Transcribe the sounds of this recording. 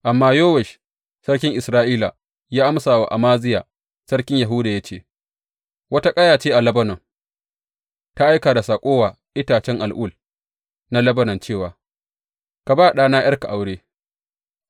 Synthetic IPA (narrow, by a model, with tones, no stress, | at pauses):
ʔa˨mːaː˦joː˦wɛ˨ʃ | sɐ˦rkʲɪ˦ŋʔɪ˨sɾaː˦ʔiː˦la̰˨ | jaː˦ʔa˦msaː˨wa̰˨ʔa̰˨maː˦zɪ˦jaː˨ | sɐ˦ɽkʲɪ˦ɲja˨ɦuː˦daː˨ja˦t͡ʃeː˦ | wɐ˦ta˦kʼɐ˦jaː˨t͡ʃeː˦ʔa˨lɐ˦bɐ˦nɔ˨ŋ | ta˦ʔa˦jkaː˨da˨saː˨kʷʼoː˦waː˨ | ʔɪ˦taː˨t͡ʃɛ˦ŋʔa˨lʔʊ˦˨l | na˦lɐ˦bɐ˦nɐ˨nt͡ʃeː˦˨waː˨ | ka˨baː˦˨ɗaː˦naː˦j̰ʔɐ˦rka˨ʔa˨wɽeː˦